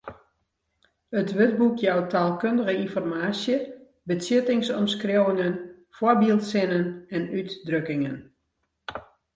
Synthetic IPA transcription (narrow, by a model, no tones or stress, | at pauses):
ətʋøt̚bukjɔwtʰaːlˠkøndəɣəinfɔrmaːsjə | bəsɪtɪŋsɔmskrowəŋən | forbilˠtsɪnənɛnytdrøkɪŋən